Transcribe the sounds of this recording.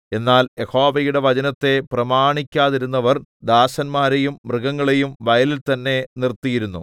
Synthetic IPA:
e̞nːaːle̞ho̞ːʋɐjuɽe̞ʋɐd͡ʑɐnɐt̪ːe̞prɐmaːɳikʲːaːðiɾunːɐʋɐrd̪aːɕɐnmaːɾe̞jumːrɨɡɐŋːɐɭejumʋɐjɐlilt̪ɐnːe̞nirt̪ːijiɾunːu

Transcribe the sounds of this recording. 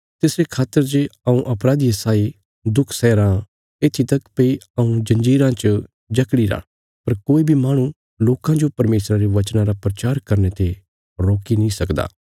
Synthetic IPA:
t̪ɪsɾekʰaːt̪ːəɾd͡ʒeɐũʔɐpɾaːd̪ijɐsaːi | d̪ʊkʰsɛːɾãː | eːt̪ʰit̪ɐkpeiɐũd͡ʒɐ̃ɲd͡ʒiːɾãt͡ʃ | d͡ʒɐkɽiɾã̰ː | pɐɾkoːibʱimaːɽ̃ũ | loːkãd͡ʒopɐɾmeːsɾaɾeʋɐt͡ʃnãɾapɾɐt͡ʃaːɾkɐɾnet̪e | ɾoːkinĩsɐkd̪a̰ː

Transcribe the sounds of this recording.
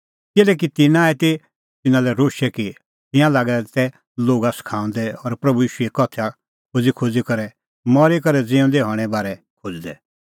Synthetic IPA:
kɪlɛːk̬it̪ɪnãɛt̪e | t̪ɪnãlɛɾoːʃɛki | t̪ɪ̃jãlaːɡɛt̪ɛ | loːɡaskʰãːʊ̃nd̪ɛɔɾpɾɐbujiːʃuɛkɔt̪ʰa | kʰod͡zikʰod͡zikɐɾɛ | mɔɾikɐɾɛd͡zeːʊ̃nd̪ɛɦɔːɽ̃ɛbaːɾɛ | kʰod͡zd̪ɛ̰

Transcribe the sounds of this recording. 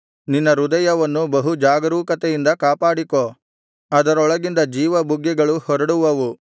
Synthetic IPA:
ninːɐɾud̪ɐjɐʋɐnːubɐɦud͡ʒaːɡɐɾuːkɐt̪ɛjind̪ɐkaːpaːɽiko | ɐd̪ɐɾɔɭɐɡind̪ɐd͡ʒiːʋɐbuɡːɛɡɐɭuhɔɾɐɽuʋɐʋu

